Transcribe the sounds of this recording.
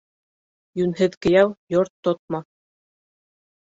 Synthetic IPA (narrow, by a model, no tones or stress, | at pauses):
jʉnɦɘðkɘ̆jæwjoɾt̪ːot̪̚mɑ